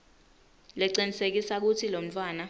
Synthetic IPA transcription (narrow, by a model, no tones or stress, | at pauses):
lɛǀinisek̬isak̬utʰilom̩t͡fʰwaːna